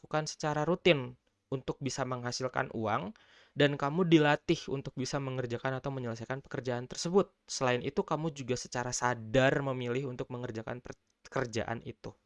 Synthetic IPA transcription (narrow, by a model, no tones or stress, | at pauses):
kukansə̥t͡ʃaɾaɾut̪ɪn | unt̪ʊk̚bisaməŋɦasilka̰nʔṵaŋ | dankamudilat̪ɪhṵnt̪ʊk̚bisaməŋərd͡ʒakanat̪awməɲələs̬ajkanpə̥kərd͡ʒaant̪ərsəbʊt̪̚səlaɪnit̪ukamud͡ʒuɡasə̥t͡ʃaɾasadarməmilɪhunt̪ʊk̚məŋərd͡ʒaka̰npə | əkərd͡ʒa̰ʔa̰nḭt̪u